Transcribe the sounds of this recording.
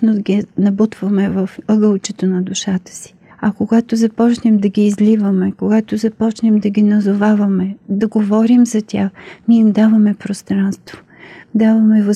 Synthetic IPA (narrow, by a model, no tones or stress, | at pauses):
nod̪ɡʲinɐbut̪v̥əmɛvɐfɤɡəlˠt͡ʃɛt̪onɐd̪ʊʃat̪ə̥si̥ | ɐkoɡat̪ozɐpɔt͡ʃnɛmd̪ɐɡʲiːzlivəmɛkoɡat̪ozɐpɔt͡ʃnɛmd̪ɐɡʲinɐzovavɐmɛd̪ɐɡovɔɾimzɐt̪ʲaxniɛimd̪avɐmɛpɾost̪ɾanst̪vo̥ | d̪avɐmɛvɐ